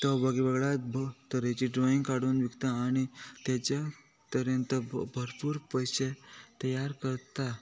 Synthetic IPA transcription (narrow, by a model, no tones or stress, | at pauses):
t̪əbʱaɡibəɡɭat̪bt̪əɾet͡ɕiɖɾɔĩŋɡkaɽuːnʋiɡt̪aːɽ̃it̪jat͡ɕa | t̪əɾjə̃nt̪əbʱəɾpuːɾpəjɕet̪əjaɾkəɾt̪a